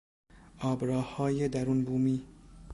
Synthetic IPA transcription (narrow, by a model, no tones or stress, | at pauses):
ɒːbɾɒːhɒːjed̪æɾuːnbuːmiː